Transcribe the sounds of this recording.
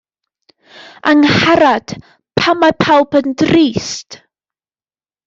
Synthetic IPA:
aŋhaɾad̥ | pʰamapʰalˠpəndriːst

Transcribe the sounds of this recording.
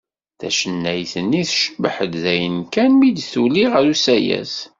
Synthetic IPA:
θæ̰ʃənːæjθənːiθʃəbħəd̪ðæjənkænmid̪θuliʁəɾusæjæ̰s

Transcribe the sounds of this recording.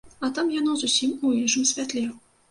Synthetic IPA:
ɐt̪amjanɔzusʲimuiʐɨmsʲvʲat̪lʲɛ

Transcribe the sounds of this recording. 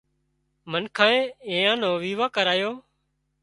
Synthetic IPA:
mənkʰãːẽːẽːjãːnõːʋiːʋaːkəɾaːjoː

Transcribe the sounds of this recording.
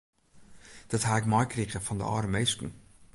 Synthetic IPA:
d̥ɔthaːɪkmɔjkriɣəfɔndə̰ɔ̰rəmejstn̩

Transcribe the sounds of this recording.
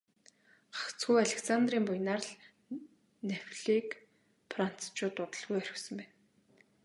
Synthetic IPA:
ɢḁkt͡sɡujaɮeksant̪riːmpʊjnaːrɮ | newʲɮiːk | pʰran̥t͡st͡ɕʊːt̪ʊt̪ə̆ɮɣujœɾɪ̆xsə̆mpæːn

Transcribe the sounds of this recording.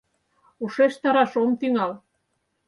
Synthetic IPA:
uʃeʃt̪ɑɾɑʃomt̪yŋɑl

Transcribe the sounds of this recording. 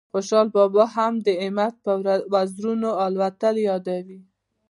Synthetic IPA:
xoʃɑlbɑbɑɦamd̪əɪmat̪̚pəwazɾunoalwat̪aljɑd̪awi

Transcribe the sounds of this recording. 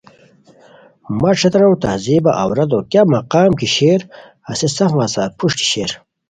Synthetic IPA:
mɐʈ͡ʂʰɐt̪ɾɐwt̪ɐːziːbɐʔɐwɾɐd̪oːkjamɐqaːmkiɕeːɾ | ɐsesɐfmaːsaːt̪̚pʰuʂʈi̥ɕeːɾ

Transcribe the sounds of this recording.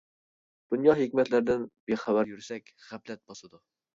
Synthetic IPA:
d̪̥unjɑɦekʲmɛt̪læɾd̪ɪnbeχæwæɾjyɾsɛkʲχæplɛt̪̚bɑsɨd̪u

